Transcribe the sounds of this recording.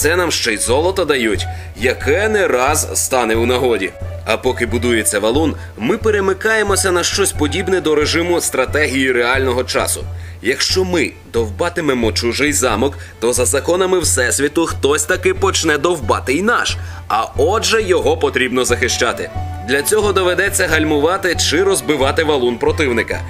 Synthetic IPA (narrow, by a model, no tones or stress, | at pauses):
t̪sɛnamʃt͡ʃɛjzɔlˠɔt̪ɔd̪ɐjutʲ | jɐkʰɛnɛɾɑzst̪ɑnɛwnɐɦɔdʲḭɐpɔkɪbʊd̪uje̞t͡sʲːɐʋɐlˠun | mɪpeɾemɪkɑjemɔsʲɐnɐʃt͡ʃɔsʲpɔdʲibnɛd̪ɔɾeʒɪmʊst̪ɾɐt̪ɛɦʲijiɾeɑlʲnɔɦɔt͡ʃɑ̰sʊ̰jɐkʃt͡ʃɔmɪd̪ɔwbɑt̪ɪmɛmɔt͡ʃuʒɪjzɑmɔk | t̪ɔzɐzɐkɔnɐmɪwsɛsʲʋʲit̪ʊxt̪ɔsʲt̪ɐkɪpɔt͡ʃnɛd̪ɔwbɑ̰t̪ɪnɑʃ | ɐɔʒɛjɔɦɔpɔt̪ɾʲibnɔzɐxɪʃt͡ʃɑt̪ɪd̪lʲɐt͡sʲɔɦɔd̪ɔʋed̪ɛt͡sʲːɐɦɐlʲmʊʋɑt̪ɪt͡ʃɪɾɔzbɪʋɑt̪ɪʋɐlˠunpɾɔt̪ɪwnɪkɐ̰